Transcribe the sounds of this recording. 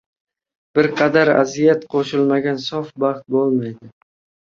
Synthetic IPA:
b̥ɪɾqʰɑd̪aɾa̰zijat̪qʰoʃɪlˠmaɡʲansɒfbɑχt̪̚bolˠmajd̪ɪ

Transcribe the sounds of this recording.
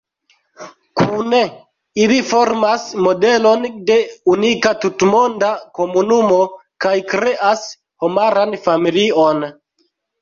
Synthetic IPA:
kʰune | ilifo̞ɾmasmo̞delo̞nde̞unikatutmo̞ndako̞munumo̞kajkɾe̞ʔas | homaɾanfamilio̞n

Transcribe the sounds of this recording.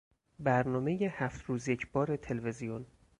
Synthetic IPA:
bæɾnɒːmejehæft̪ɾuːzje̞cʰb̥ɒːɾe̞t̪ʰelve̞zijon

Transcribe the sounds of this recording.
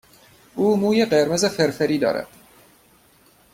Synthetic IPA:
ʔuːmuːjeɢeɾmezefeɾfeɾiːd̪ɒ̰ːɾæ̰d̪̥

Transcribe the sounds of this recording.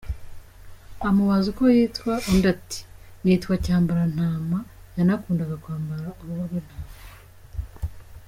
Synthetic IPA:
amuβazukojiːtkwaʔondati̥niːtwacaːmbaɾan̥haːmajanakuːndaɡakwaːmbaɾauβuβaβen̥haːma

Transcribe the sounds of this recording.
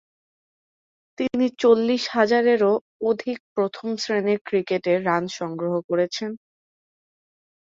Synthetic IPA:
t̪init͡ɕolːiʃhad͡ʑaɾeɾo | od̪ʱik̚pɾot̪ʰomsɾeneɾkɾikeʈeːanʃɔŋɡɾoɦokoɾet͡ɕʰen

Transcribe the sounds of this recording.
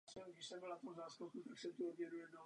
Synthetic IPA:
sɛoɡdɪʃsɛmbɪlnat̪omzaːskokut̪aksɛt̪uobjɛɾujɛdo

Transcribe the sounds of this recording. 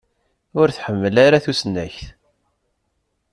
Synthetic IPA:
ʊɾθħəmːəlaɾaθusənːæçθ

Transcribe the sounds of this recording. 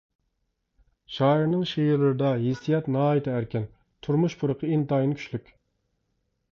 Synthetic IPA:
ʃɑːiɾnɨŋʃejiɾlɨɾɨd̪ɑɦisijɑt̪nɑːit̪ʰɪæɾkʲɛn | t̪ʰuɾmuʃpʰuɾəqʰəint̪ɑjnkʲʰy̥ʃlykʲ

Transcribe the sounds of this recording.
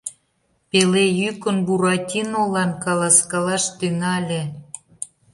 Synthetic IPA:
pelejykə̆nbuɾɑtʲinolɑnkɑlɑskɑlɑʃt̪ynɑlʲe

